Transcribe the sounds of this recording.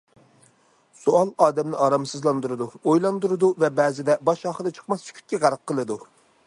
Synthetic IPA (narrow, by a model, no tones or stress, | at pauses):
soɑlˠɑːd̪ɛmnɪɑɾɑmsɨzlˠɑnd̪uɾɨd̪uojlˠɑnd̪uɾɨd̪uvɛbɛːzɪd̪ɛbɑʃɑːχəd̪ɨt͡ʃʰə̥χmɑst͡ʃʰy̥kʲʰy̥t̪̚ʲkʲiʁæɾq̚qʰːəlˠɨd̪u